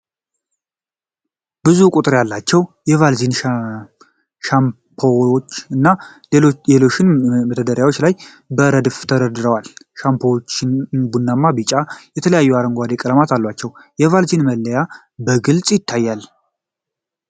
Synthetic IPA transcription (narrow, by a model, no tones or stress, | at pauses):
b̥ɨzukʼut̪ʼɨɾjalːat͡ʃːɛwjɛvalzin | ʃam | pʰowot͡ʃːɨnːa | elo̞ʃɪnməd̪əd̪əɾjawo̞t͡ʃːlaj | bəɾəd̪ɨft̪ʰəɾəd̪ɨɾəwalʃampʰowt͡ʃːɪnbunːamːabɨt͡ʃʼajɛt̪ʰələjajːuaɾəŋɡʷad̪ekʼələmat̪ʰalːwat͡ʃːɛwjɛvalzinməlːəja | bəɡɨlt͡sʼjɪt̪ʰːajːal